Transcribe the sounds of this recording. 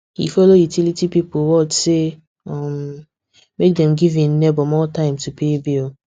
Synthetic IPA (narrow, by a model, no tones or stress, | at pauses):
hḭfolojutilitipipowɔt͡ʃse | am | mek̚dɛ̃mɡivĩn̩nebɔmɔtãɪ̃mtupʰebio